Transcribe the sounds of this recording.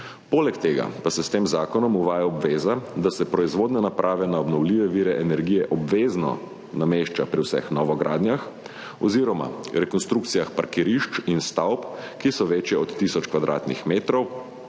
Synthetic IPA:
polɛkt̪eːɡa̰pasɛst̪eːmzaːkɔnɔmuʋaːjaɔbʋeːzad̪asɛpɾɔizʋoːd̪nɛnapɾʔaːʋɛnaɔbnɔwliːʋɛʋiːɾɛʔɛnɛɾɡijɛʔɔbʋeːznɔ̰ | nameʃt͡ʃapɾiwsɛ̰xnɔʋɔɡɾʔa̰ːd̪nʲjax | ɔziːɾɔma̰ɾɛkɔnst̪ɾukt̪sijaxpaɾkiɾiʃt͡ʃinst̪awpkisɔʋeːt͡ʃjɛɔt̪ːisɔt͡ʃkʋad̪ɾʔa̰ːt̪nixmeːt̪ɾɔw

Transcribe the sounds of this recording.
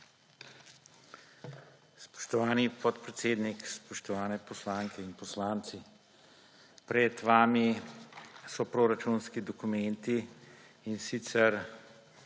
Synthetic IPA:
spɔ̥ʃt̪ɔʋaːnipɔt̪pɾɛt̪seːd̪nikspɔʃt̪ɔʋaːnɛpɔslaːŋkɛinpɔslaːnt̪si | pɾɛt̪ʋaːmi | sɔpɾoːɾat͡ʃunskid̪ɔkumɛnt̪iː | nsit̪sɛɾ

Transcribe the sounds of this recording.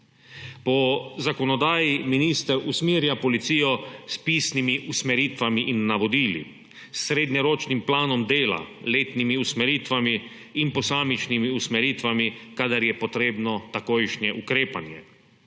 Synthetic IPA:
pɔzakɔnɔd̪aːjiminiːst̪əɾusmiːɾjapɔlit̪siːjɔspiːsnimiʔusmɛɾiːt̪ʋamiʔinːaʋɔd̪iːlḭ | sːɾeːd̪ɲɛɾoːt͡ʃnimplaːnɔmd̪eːla̰leːt̪nimiusmɛɾiːt̪ʋamiː | npɔsaːmit͡ʃnimiusmɛɾiːt̪ʋamikaːd̪aɾjɛpɔt̪ɾeːbnɔt̪akoːjʃnjɛʔukɾeːpanjɛ

